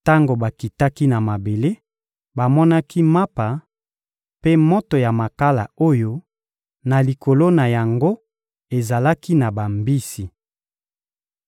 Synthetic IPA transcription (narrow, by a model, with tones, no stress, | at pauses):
ta˦ŋɡo˨ba˨ki˨ta˦ki˦na˨ma˨be˨le˦ | ba˨mɔ˦na˦ki˦ma˦pa˨ | pe˦mo˦to˨ja˨ma˨ka˦la̰˨o˦jo˦ | na˨li˨ko˨lo˦na˨ja˨ŋɡo˦ | e˨za˨la˦ki˦na˨ba˨mbi˦si˨